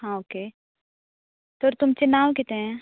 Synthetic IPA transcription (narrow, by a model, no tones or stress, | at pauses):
ɦãoːkeː | t̪oːɾt̪ʊmt͡ʃenaːʋkɪt̪eɦɛ̃